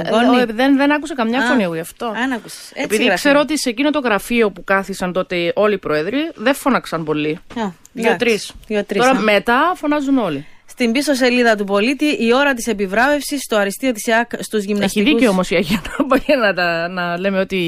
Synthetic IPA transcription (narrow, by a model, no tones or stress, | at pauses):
onðenðenɐkusekɐmɲɐfoniɐɣoiɐft̪o̞nɐkuse̥sepiðikse̞ɾoot̪isecino̞t̪o̞ɣɾɐfio̞pukɐθisɐnt̪o̞t̪e̞o̞liːpɾoeðɾiðefo̞nɐksɐnpo̞li | ot̪ɾisot̪ɾtoɾɐme̞t̪ɐfo̞nɐzuno̞list̪imbiso̞s̬e̞liðɐt̪̬upo̞lit̪iʔio̞ɾɐt̪̬ise̞pivɾɐve̞fsist̪o̞ɐɾist̪iot̪i̥sɐkst̪uzʝimnesçiðiceomo̞siɐʝiɐnpɐjenɐt̪ɐnɐle̞meo̞t̪i